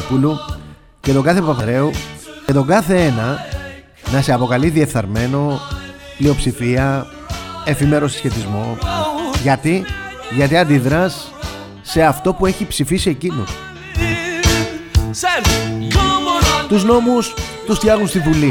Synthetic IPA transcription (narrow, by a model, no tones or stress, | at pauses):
kulu | ce̞t̪o̞ɡɐθe̞pɐpɐɾe̞uce̞t̪o̞ɡɐθe̞enɐ | nɐseɐpo̞kɐliðie̞fθɐɾme̞no̞plio̞psifiɐ | e̞fime̞ɾo̞si̥sçe̞t̪izmo̞ | ʝɐt̪iʝɐt̪iɐnd̪iðɾɐsː | e̞ɐft̪o̞pue̞çipsifisie̞cinṵ | t̪uzno̞must̪ust̪çɐɣunst̪ivuli